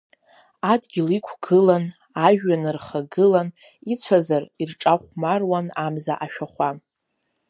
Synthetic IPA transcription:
adɡʲilikʷʰɡ̥ɨlan | aʒᶣːanɨrχaɡɨlan | it͡sʷʰazarirʈ͡ʂʼaχʷmarwanamza̰ʔaʃᶣaχʷa

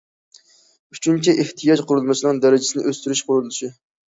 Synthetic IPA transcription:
yt͡ʃʰynt͡ʃʰiʔeht̪ʰijɑd͡ʒqʰʊɾulˠmɨʃinɨŋd̪æɾɪd͡ʒɪ̥sɪnɪʔøst̪yɾyʃqʰʊɾulˠuʃi

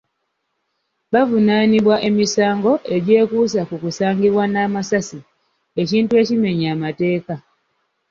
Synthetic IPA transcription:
βavunaniβwaʔe̞misaːŋɡo̞ʔe̞ɟeːkusakukusaːŋɡiβwanaːmasasi | eciːntue̞cime̞ɲaːmate̞ːka

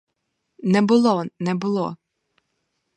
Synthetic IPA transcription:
nɛbʊlˠɔnɛbʊlˠɔ

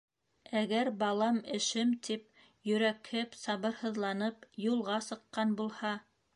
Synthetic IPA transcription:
æɡæɾbɑlˠɑmɘ̆ʃɘmt̪ʰip̚ | jɵ̆ɾækhɘpsɑβɤ̆ɾhɤ̆ðlˠɑnɤpjulˠʁɑsɤ̆qːɑnbulˠhɑ

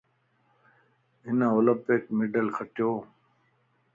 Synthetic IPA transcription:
ɦɪnãːoːlə̃mpɪkmɪɖəlkʰəʈjoː

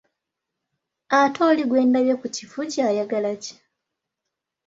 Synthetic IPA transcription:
atʰo̞ːliɡwe̞ːndaβjekucifuɟaːjaɡalaci̥

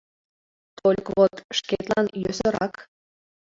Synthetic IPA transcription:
t̪olʲkβot̪ʃket̪lɑnjøsə̆ɾɑk

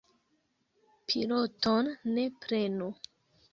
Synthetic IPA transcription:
pʰilotonːe̞pɾe̞nu

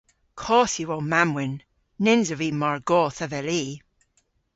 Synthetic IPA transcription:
kʰɔːsiwowmamwɪnː | ɪnzəvimaɹɡɔːθəvɛliː

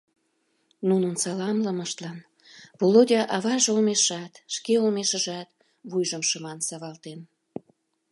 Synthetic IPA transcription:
nunənsɑlɑmləməʃt̪lɑn | volodʲɑʔɑβɑʒeomeʃɑt̪ʃkeumeʃəʒɑt̪ | βujʒəmʃəmɑnsɑβɑlt̪en

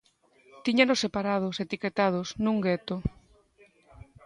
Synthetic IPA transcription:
t̪iɲanosːepaɾað̞oset̪iket̪að̞osnũŋɡet̪o

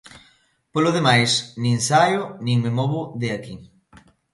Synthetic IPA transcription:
polʊðemajsnĩŋsajʊnĩŋmemɔβʊðeaki

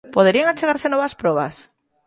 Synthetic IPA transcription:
poðeɾiaŋat͡ʃeɣaɾsenɔβaspɾɔβa̰s

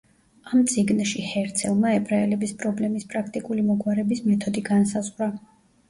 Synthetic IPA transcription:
amt̪sʼiɡnʃihɛɾt̪sʰɛlˠmaɛbʼɾaɛlɛbispʼɾɔblɛmispʼɾakʰt̪ʼikʼulimɔɡwaɾɛbismɛt̪ʰɔd̪iɡansazʁɾa

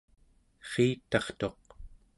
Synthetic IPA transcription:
χiːt̪ɑχt̪o̞q

